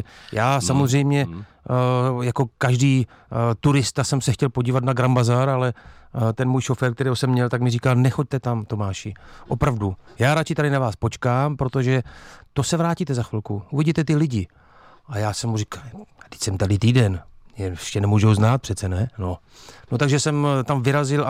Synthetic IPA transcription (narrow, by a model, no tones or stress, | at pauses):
jaːsamozr̝ɛjmɲɛ | jako̞kaʒdiː | t̪uɾɪst̪asɛmsɛxcɛlpo̞ɟiːvat̪naɡɾambazaɾalɛt̪ɛnmuːjʃofɛːɾkt̪ɛɾiːɦosɛmːɲɛlt̪akmɪriːkaːnɛxo̞c̚t̪ɛt̪amt̪o̞maːʃɪʔo̞pɾavdujaːɾat͡ʃɪt̪adɪnavaːspot͡ʃkaːmpɾo̞t̪o̞ʒɛt̪o̞sɛvɾaːciːt̪ɛzaxfɪlkuʔuvɪɟit̪ɛt̪ɪlɪɟɪ | ʔajaːsɛmurikad̥ɪ̥csɛmt̪adɪt̪iːdɛnjɛɛʃcɛnɛmuːʒowznaːt̪̚pr̝̥ɛt̪t͡sɛnɛno̞ | no̞t̪aɡʒɛsɛmt̪amvɪɾazɪl